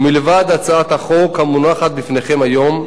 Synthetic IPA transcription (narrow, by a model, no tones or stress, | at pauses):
milevad̪at͡saat̪aχokhamunaχat̪̚bifne̞χe̞majo̞m